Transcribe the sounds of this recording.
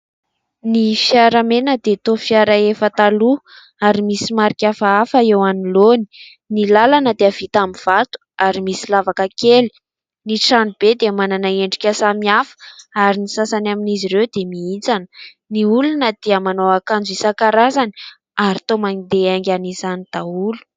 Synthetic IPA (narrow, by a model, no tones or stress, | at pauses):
nifjaɾamenəd̪et̪ofiaɾəefət̪alu | aɾimisimaɾikʲafaafəewaniloni̥ | nilalanəd̪eav̥it̪amiv̥at̪u̥aɾimisilavakəkeli̥ | niʈ͡ʂanub̥ed̪emananaeɳɖ͡ʐikʲasamiafə̥aɾinisasanaminiziɾewd̪emiit͡sanə̥ | niulunəd̪̥iəmanoakand͡zuisakaɾazani̥ | aɾit̪omanid̪eaŋɡʲanizanid̪̥aulu̥